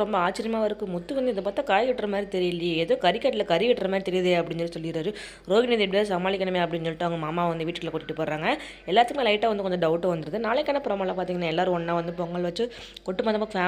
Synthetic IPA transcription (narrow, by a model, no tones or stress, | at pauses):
ɾɔmbɐaːt͡ʃːɪɾɪjɐmaːʋɐɾɯkːɯmʊt̪ːɯʋɐnd̪ɐðɯp̬aːɾt̪ːaːkaːjʋɪʈːrɐmaːd̪ɾit̪ɛɾɪjɐlːɪɛðõːkɐɾɪkːɐːʈːɪlɐkɐɾiʋɪʈːrɐmaːdɾit̪ɛɾɪjɐðɯɐpːɐɽɪnsɔːsɔlːɪkɪɾaːɾɯ | ɾoːɣɪniːðiɛp̬ɐɽɪðasɐmaːlɪkːɐɳɐmeːɐpːɐɽɪnsɔlːɪʈːaʋɐŋɡɐmaːmːaːʋɐnd̪ɯʋiːʈːkːɭlɐkɔʈːɪʈːɯpːoːɾaːŋɡɐ | ɛlːaːɾt̪ɯkːmeːlɐɪʈːaːʋɐnd̪ɯkɔɲd͡ʒɯɖɐʊʈːoʋɐnd̪ɯɾɐðɯnaːlɛkːɐːnɐpɔɾɐmaːlaːpaːɾt̪iːŋɡɐnãːɛlːaːɾɯ̃ɔnːaːʋɐnd̪ɯpɔŋɡɐɭʋɐt͡ʃːɯ | kɔʈːɯmaːðɐmfaː